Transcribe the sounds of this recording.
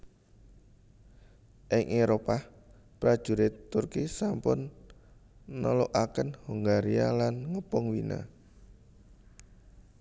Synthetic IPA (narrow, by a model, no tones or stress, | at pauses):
ʔɪŋʔeɾopa | pɾad̥ʒ̥ṳɾet̪ʊrkisampʊn | ɔloʔakənhuŋɡaɾia̰lanŋəpɔŋwina̰